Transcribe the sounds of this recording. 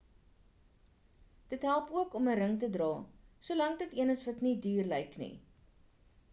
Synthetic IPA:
d̥ətɦælˠpuəkɔməɾəŋtədrɑːsuəlɐŋdətiənəsvɐtnidyːrləjknḭ

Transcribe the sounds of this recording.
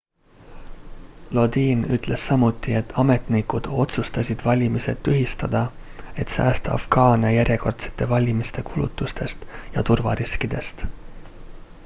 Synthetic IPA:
lo̞d̪iːnyt̪ːˑle̞sːɑmut̪ːˑie̞t̪ʰːˑɑme̞t̪nikud̪̥o̞t̪sust̪ɑsʲid̪̥vɑlʲimise̞t̪ːyɦist̪ɑd̪̥ɑ | e̞t̪sæ̰ːst̪ɑ̰fɡ̥ɑːnʲɑjæɾʲjeko̞rt̪se̥t̪ːˑe̞vɑlʲimist̪e̞kʰulṵt̪ːˑust̪e̞st̪jɑt̪urvɑ̰ɾiskid̪̥e̞st̪

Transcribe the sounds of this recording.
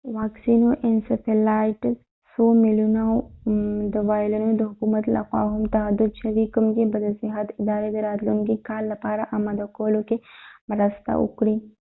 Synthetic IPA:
ʋaːksiːnoʔensɐʈilaːjʈ | soːmiluna | d̪əʋaːjlɐnud̪əɦʊkuːmɐt̪lʔɐ̰qwa̰ːɦumt̪ɐɦɐd̪ud̪̚t͡ʃʰɐʋikəmkebɐd̪əsɪɦɐt̪ɪd̪aːɾed̪eɾaːd̪lunɡikaːlːɐpaːɾaʔɐmɐd̪ɐkoːlokemɾɐst̪a̰ʔʊ̰kɽĩː

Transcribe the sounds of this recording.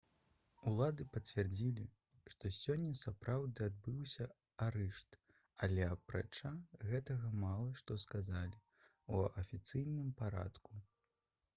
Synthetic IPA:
ulˠad̪ɨpɐt͡sʲvʲɛrd͡zʲilʲi | ʂt̪ɔsʲɔnʲːɐsapɾawd̪ɨad̪̚bɨwsʲɐ | aɾɛʂt̪ | ɐlʲɛɐpɾa̰t͡ʂaɣɛt̪ɐɣɐmalˠɐʂt̪ɔskazalʲi | uɐfʲit̪sɨjnɨmpaɾa̰t̪ku

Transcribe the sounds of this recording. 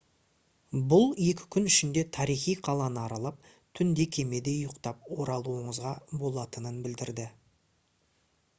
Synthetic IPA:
bʊlˠje̞kʲɪ̥kʲʰʏnʏʃɪnd̪e̞t̪ʰɑɾijχijqʰɑlˠɑnəɑɾɑlˠɑp̚ | t̪ʰʏnd̪e̞kʲʰe̞me̞d̪e̞jʊqt̪ɑpwo̞ɾɑlˠuəɴəzʁɑbo̞lˠɑt̪ənənbɪld̪ɪɾd̪ɪ

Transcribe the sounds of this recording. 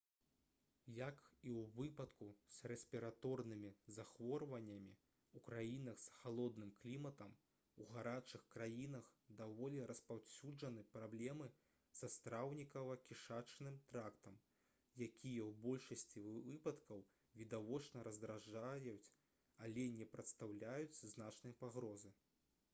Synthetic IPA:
jakiwvɨpɐt̪kusrɛsʲpʲiɾat̪ɔrnɨmʲizaxvɔrvɐnʲːɐmʲi | ukɾajinɐxsxalˠɔd̪nɨmklʲimɐt̪ɐm | uɣaɾat͡ʂɨxkɾajinɐxd̪avɔlʲɛɾɐspawsʲud͡ʐɐnɨpɾablʲɛmɨ | sɐst̪ɾawnʲikɐvɐkʲiʂat͡ʂnɨmt̪ɾakt̪ɐm | jakʲijɐwbɔlʲʂɐsʲt͡sʲivɨpɐt̪kɐw | vʲid̪avɔt͡ʂnɐɾɐzd̪ɾaʐajut͡sʲ | alʲɛnʲɛpɾɐt̪st̪awlʲajut͡sʲznat͡ʂnɨjɐpaɣɾɔzɨ

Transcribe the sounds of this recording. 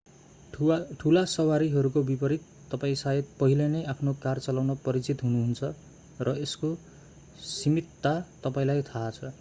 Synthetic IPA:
ʈʰulasʌwaɾiɦʌɾukobipʌɾit̪ːʌpaĩsajet̪̚pʌɦilenʌjapʰnokart͡sʌlawnʌpʌɾit͡sit̪ɦunuɦunt͡sʰʌ | rʌesko | simit̪ːat̪ʌpaĩlajt̪ʰaːt͡sʰʌ

